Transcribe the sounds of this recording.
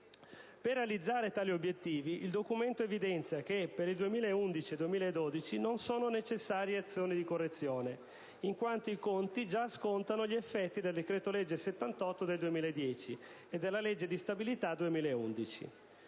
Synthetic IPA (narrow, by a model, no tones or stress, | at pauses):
perːealid̪zːaːɾet̪aːliobjet̪ːiːviʔild̪okument̪oevid̪ɛnt̪sjak̟epeɾild̪uemiːlaeund̪it͡ʃied̪uemiːlaed̪ːod̪it͡ʃinonsoːnonet͡ʃesːaːɾjeat̪sːjoːnid̪ikorːet̪sːjoːne | iŋkwant̪oikont̪id͡ʒaskont̪anoʎiefːɛt̪ːid̪eld̪ekɾeːt̪oled͡ʒːeset̪ːant̪ɔt̪ːod̪eld̪uemiːlaed̪ːjɛːt͡ʃi | ed̪ːelːaled͡ʒːed̪ist̪abilit̪ad̪uemiːlaeund̪it͡ʃḭ